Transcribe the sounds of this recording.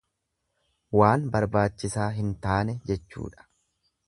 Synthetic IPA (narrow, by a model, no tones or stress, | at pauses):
waːnbɐɾbaːt͡ʃːɪsaːɦɪnt̪aːnɛd͡ʒɛt͡ʃːṵːᶑɐ̥